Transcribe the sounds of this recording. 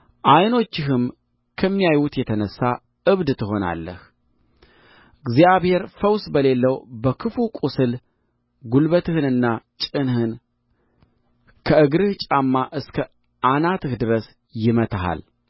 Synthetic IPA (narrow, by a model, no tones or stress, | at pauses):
ʔajno̞t͡ʃːɪɦɨm | kʰəmːijajwut̪jɛt̪ʰənəsːa | ʔɨβd̪t̪ʰɨho̞na̰lːə̰h | ɨɡzijaβhe̞ɾfəwsbəle̞lːəwbəkʰɨfukʼusɨl | ɡulβət̪ʰɨhɨnɨnːat͡ʃʼɨnhɨn | kʰəɨɡɾɨht͡ʃʼamːaʔɨskʰə | ʔanat̪ʰɨhd̪ɨɾəs | jɪmət̪ʰaɦa̰l